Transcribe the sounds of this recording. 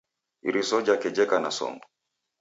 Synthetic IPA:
iɾisɔd͡ʒakɛd͡ʒɛkanasɔ̰ŋɡɔ

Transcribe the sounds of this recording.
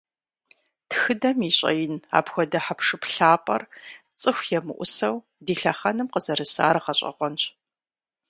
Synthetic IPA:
txɨdɐmiːɕʼɐ̰jɪna̰ːpxʷɔdɐħapʰʂɨpɬaːpʼɐrt͡sʼɨxʷjɛmɨ̰ʔʷʊsɐw | diːɬɐχɐnɨmqəzɐɾɨsa̰ːɾqɐɕʼɐ̰ʁʷɔnt͡ʃʼ

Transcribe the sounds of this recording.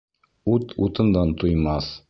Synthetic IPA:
ʉt̪ʰut̪ɤ̆nd̪ɑnt̪ujmɑs

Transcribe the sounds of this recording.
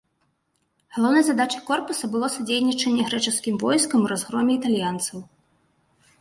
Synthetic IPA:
ɣɐlˠɔwnɐjzad̪at͡ʂɐjkɔrpusɐbɨlˠɔsud͡zʲejnʲit͡ʂɐnʲːɛɣɾɛt͡ʂɨskʲimvɔjskɐmuɾazɣɾɔmʲɛit̪alʲjant̪sɐw

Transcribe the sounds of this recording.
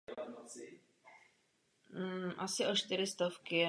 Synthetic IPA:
ʔasɪʔoʃt̪ɪɾɪst̪ofkɪɛ

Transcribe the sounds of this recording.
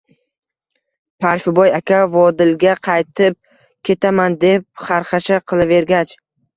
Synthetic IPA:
pʰaɾfɪbɒjakʲavɒd̪ɪlɡʲaqʰɑjt̪ʰɪp̚ | kʲʰe̞t̪ʰamand̪e̞p̚χɑɾχɑʃaqʰɨlˠave̞ɾɡʲat͡ʃ

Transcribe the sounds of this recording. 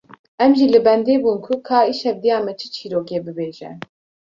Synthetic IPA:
ɛmʒilɨbɛnd̪eːbuːnkʰʊkʰaːiʃhɛvd̪ijaːmɛt͡ʃʰɨ̥t͡ʃʰiːɾoːkeːbɨbeːʒɛ̰

